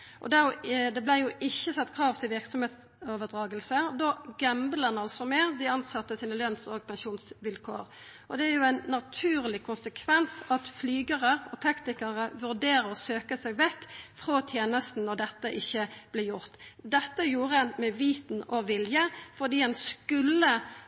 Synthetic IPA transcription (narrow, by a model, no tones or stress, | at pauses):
ʔɔ̰d̪æd̪ɛblæjʊʔɪçːəsɑt̪ːkʰʁɑːʋt̪ʰɪlʋɪʁksɔmheːt̪s | oːʋəd̪ʁɑːɡəlsəd̪oːɡæmblənɑlsɔmeːd̪ɪɑnsɑt̪ːəsiːnəlœnsɔɡpʰɛnʃuːnsʋɪlkʰo̰ːʁ | ʔɔd̪ɛæɾjʊæɪnnːɑt̪ʰʉːʁlɪkʰʊnsəkʰʋɛnsɑt̪flyːɡəʁəɔt̪ʰɑknɪkɑʁəʋʉʁd̪eːɾəʁɔsøːkəsɛɡʋɛktːfʁoːt̪ʰjeːnəst̪n̩ːɔʁd̪ɛt̪ːəʔɪçːəb̥lɛjʊʁt̪d̪ɛt̪ːəjuːʁəɛnmɛʋiːt̪nɔʋɪljəfɔʁd̪iːɛnskʉlːə